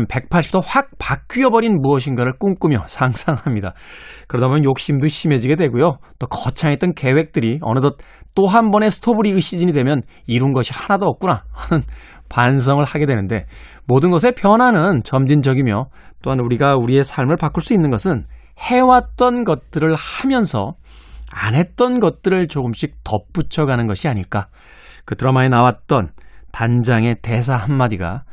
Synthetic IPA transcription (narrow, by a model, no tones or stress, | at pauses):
npe̞k̚pʰaɭɕ͈ʰi̥p̚tʰohwak̚pak͈iʌbʌɾinmuʌɕ̬ʰinɡaɾɯɭk͈uŋk͈umjʌsʰaŋsʰaŋhamɲida̰kɯɾʌdamjʌnjok̚ɕ͈imdoɕʰime̞d͡ʑiɡe̞dwe̞ɡujot͈okʌt͡ɕʰaŋet͈ʌnke̞we̞k̚t͈ɯɾiʌ̰nɯdʌt̚t͈oɦanbʌne̞sʰɯ̥tʰobuɾiɡɯɕ͈id͡ʑiɲidwemjʌn | iɾunɡʌɕʰihanadoʌk̚k͈unaanɯn | pans̬ʰʌŋɯɭhaɡe̞dwe̞nɯnde̞̰ | modɯnɡʌs̬ʰe̞pjʌnanɯnt͡ɕʌmd͡ʑind͡ʑʌɡimjʌ | t͈oɦanuɾiɡauɾie̞sʰaɭmɯɭpak͈uɭs͈uinːɯnɡʌsʰɯn | he̞wat̚t͈ʌnɡʌt̚t͈ɯɾɯɭhamjʌnsʰʌ̰ | a̰nɦe̞t̚t͈ʌnɡʌt̚t͈ɯɾɯɭt͡ɕoɡɯmɕ͈ik̚tʌp͈ut͡ɕʰʌɡanɯnɡʌɕʰiaɲiɭk͈a | kɯtʰɯɾʌmaenawat̚t͈ʌntand͡ʑaŋe̞te̞s̬ʰahanmad͡ʑiɡa̰